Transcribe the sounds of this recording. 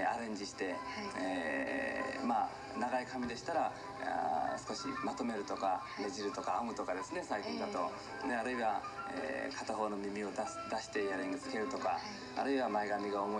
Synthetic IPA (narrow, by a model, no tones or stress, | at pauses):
aɾẽ̞ɲ̟d͡ʑiɕi̥t̪e̞e | ma | naɡaikamʲid̪e̞ɕi̥t̪aɾa | a̰sɨ̥ko̞ɕḭmat̪o̞me̞ɾɯ̟t̪o̞ka | me̞ʑiɾɯ̟t̪o̞kaːmɯ̟t̪o̞kad̪e̞sɨne̞saikʲĩnd̪at̪o̞ | neaɾɯ̟iβa | ḛkʰat̪aɦo̞ːno̞mʲimʲio̞d̪asɨ̥d̪aɕi̥t̪e̞jaɾẽŋɡit͡sɨ̥ke̞ɾɯ̟t̪o̞ka̰ː | ɾɯ̟iβamaeɡamʲiɡaomo